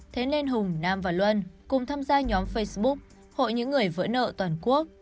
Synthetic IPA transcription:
t̪ʰe˨˦nle˧nɦʊ˨˩ŋ͡mnaː˧˩mvaː˨˩lwə˧nkʊ˨˩ŋ͡mt̪ʰaː˧mzaː˧ɲɔ˨˦mfə˧jsɓʊ˦˥k̚ | ho̰˧˨jɲɨ̰˧˥ŋːɨ˨˩əjvə̰˧˥nə̰ː˧˨t̪waː˨˩nku˦˥ək̚

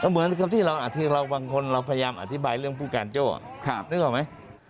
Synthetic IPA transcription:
ka˧˩mɯ˩˦ənkʰa˧p̚t̪ʰiː˥˩ɾa˧wʔa˨˩t̪ʰːi˦˥ɾa˧wbaː˧ŋkʰo˧nɾa˧wpʰa˧ja˧jaː˧mʔa̰˨t̪ʰi˦˥baː˧jɾɯ˥˩əŋpʰuː˥˩kaː˧nt͡ɕo̰ː˥˩˧nɯː˦˥kwaː˨˩ma˦˥j

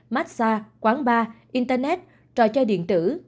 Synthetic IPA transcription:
ma˦˥t̚saː˧kwaː˨˦nɓaː˧ʔi˧nt̪əː˧nɛ˦˥t̚ | t͡ɕɔ̰˧˨t͡ɕɔ˧ɗḭ˧˨ənt̪ɨ˧˩

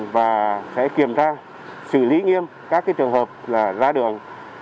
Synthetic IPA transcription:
vaː˨˩sɛ̰˧˥ki˨˩əmt͡ɕaː˧ | sɨ̰˧˨li˨˦ŋi˧əm | kaː˦˥k̚a˨˦jt͡ɕɨ˨˩əŋɦəː˨˩p̚laː˨˩zaː˧ɗɨ˨˩əŋ

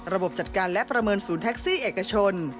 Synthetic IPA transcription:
ɾa˧bo˨˩p̚t͡ɕa˨˩t̪̚kaː˧nlɛ˦˥pɾa˧mɤː˧nsuː˩˦nt̪ʰɛ˦˥k̚siː˥˩ʔeː˨˩ka˧t͡ɕʰo˧n

